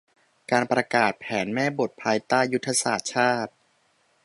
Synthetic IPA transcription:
kaː˧npɾa˧kaː˨˩t̪̚pʰɛː˩˦nmɛː˥˩bo˨˩t̪̚pʰaː˧jt̪aː˥˩jːu˦˥t̪ʰːa˧saː˨˩t̪̚t͡ɕʰaː˥˩t̪̚

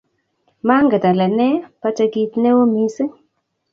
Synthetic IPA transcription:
ma˦ŋɡə˨ta˨lɛ˨nɛ˦pa˧t͡ʃa˧ki˦tnɛ˦o˦mi˦sɨ˦ŋ

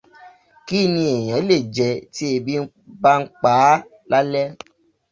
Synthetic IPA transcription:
ki˦˨nĩ˧˦e˨j̃ã˨˦le˦˨d͡ʒɛ˧ti˦e˧bi˦n̩˦ba˦ŋ̩˦k͡pa˨˦ | la˦lɛ˦

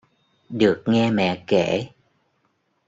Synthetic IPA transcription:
ɗɨ˨˩ək̚ŋɛ˧mɛ̰˧˨kḛ˧˩

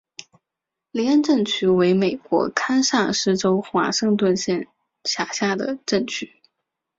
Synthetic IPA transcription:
ljɛ˧˥nʈ͡ʂɤ˥˩ŋt͡ɕʰy˧˥we˧˥ɪme˨˩ɪkwɔ̰˧˥kʰa˥nʂa˥˩ʂɻ̩˥˩ʈ͡ʂo˥ʊxwa̰˧˥ʂɤ˥˧ŋt̪wə˥˧nɕjɛ˥˩n | ɕja˨˩ɕja˥˩d̪ə̰˩ʈ͡ʂɤ˥˩ŋt͡ɕʰy˥˩

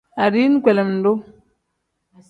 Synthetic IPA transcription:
a˨ɾi˦n˦kʷɛ˨lɛ˨mn˨do˦

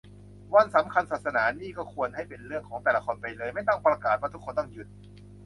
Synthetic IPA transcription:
wa˧nsa˩˦mkʰa˧nsaː˨˩t̪̚sa˧naː˩˦niː˥˩kɔː˥˩kʰu˧ənha˥˩jpe˧nɾɯ˥˩əŋkʰːɔː˩˦ŋt̪ɛː˨˩la˧˥kʰo˧npa˧jlɤː˧jma˥˩jt̪ɔ˥˩ŋpɾa˧kaː˨˩t̪waː˥˩t̪ʰu˦˥kʰːo˧nt̪ɔ˥˩ŋju˨˩t̪̚

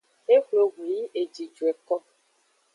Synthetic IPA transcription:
e˦xlo˨ɡi˨i˦e˨d͡ʒi˨d͡ʒu˨ɛ˨kɔ˦

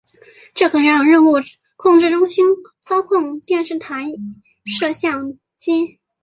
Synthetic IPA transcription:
ʈ͡ʂɤ˥˩kʰə˨˩ɻɑ˥˧ŋɻə˥˧nu˥˩ | kʰʊ˥˧ŋʈ͡ʂɻ̩˥˩ʈ͡ʂʊ˥ŋɕi˥n | t͡sɑ˥ʊkʰʊ˥˧ŋt̪jɛ˥˧nʂɻ̩˥˩t̪ʰa˧˥ɪ˨˩ | ʂɤ˥˧ɕjɑ˥˩ŋ | t͡ɕi˥

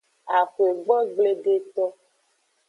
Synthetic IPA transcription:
a˨xu˨e˨ɡ͡bɔ˦ɡ͡ble˦ɖe˦t̪ɔ˦

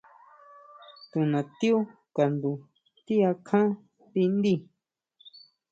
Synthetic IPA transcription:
t̪u˨nã˨t̪i˦u˦ | ka˨nd̪u˨ | t̪i˦a˧kʰã˦ | t̪i˧nd̪i˦˨

